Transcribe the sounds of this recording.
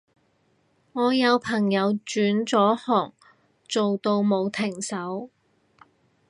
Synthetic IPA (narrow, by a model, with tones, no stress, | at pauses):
ŋɔː˨˧jɐ˨˧wpʰɐ˨˩ŋjɐ˨˧wt͡ʃyː˨˥nt͡ʃɔː˨˥hɔː˨˩ŋ | t͡so˨wt̪o˧wmo˨˧wt̪ʰɪ˨˩ŋsɐ˨˥w